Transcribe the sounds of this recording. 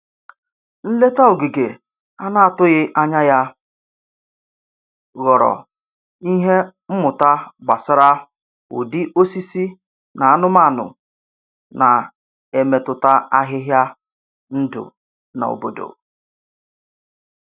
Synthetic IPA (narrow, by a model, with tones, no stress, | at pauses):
n̩˦le˦ta˦o˨ɡi˨ɡe˨ | a˦na˦a˨tʊ˦ɣɪ˦ʔa˦ɲa˦ja˦ | ɣɔ˨ɾɔ̰˨ | i˦ɦe˦m̩˦mʊ˨ta˦ɡ͡ba˨sa˦ɾa˦ | ʊ̰˨dɪ˦ʔo˦si˦si˦ | na˨a˦nʊ˦ma˦˨nʊ̰˨ | na˨ | e˨me˨tʊ˨ta˦a˦ɦɪ˦ɦja˦ | n̩˦dʊ̰˨ | na̰˨o̰˨bo˦do̰˨